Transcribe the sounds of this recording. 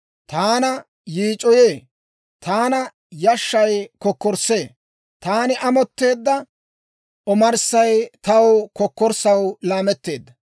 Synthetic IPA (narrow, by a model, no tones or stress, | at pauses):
t̪aːnɐ | jiːt͡ʃʼɔjeː | t̪aːnɐ | jɐʃːɐjkɔkːɔɾse̞ː | t̪aːnɪʔɐmɔt̪ːe̞ːd̪ːɐ | ʔɔmɐɾsɐjt̪ɐwkɔkːɔɾsɐwlaːmɛt̪ːe̞ːd̪ːɐ